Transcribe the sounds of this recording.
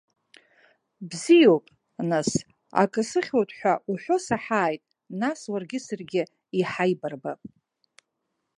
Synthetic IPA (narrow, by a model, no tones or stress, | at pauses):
bzijo̞wpʼ | nas | a̰kʼɨsɨχʲowtʼħʷᶣauħʷᶣo̞saħaːjtʼ | naswarɡʲɪsɨrɡʲɪ | iħajbarbapʼ